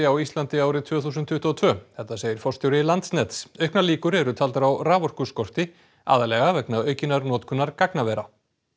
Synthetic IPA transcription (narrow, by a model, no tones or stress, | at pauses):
ɪawist̪lant̪ɪaːwɾɪt̪ʰvœːθuːsʏnt̪ʰːʏht̪ɔɔt̪ʰvœːθɛht̪ːaseːjɪɾ̥fɔr̥st̪jɔwɾɪlant̪snɛt̪sœɥhknaliːkʏɾɛɾʏt̪ʰalt̪aɾawraːvɔr̥kʏskɔr̥t̪ɪ | a̰ːðalɛɣavɛknaœːɥcɪnaɾnɔːt̪kʰʏnːaɾkaknavɛɾa